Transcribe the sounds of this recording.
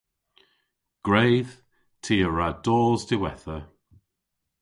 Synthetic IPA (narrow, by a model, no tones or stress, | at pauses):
ɡ̥ɹeːð̥ | tʰiːəɹadɔːlˠzdɪwɛθə